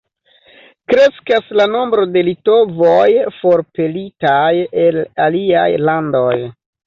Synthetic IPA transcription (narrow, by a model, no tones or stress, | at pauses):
kɾe̞skaslano̞mbɾo̞de̞lito̞vojfo̞ɾpe̞litajelalia̰jlando̞j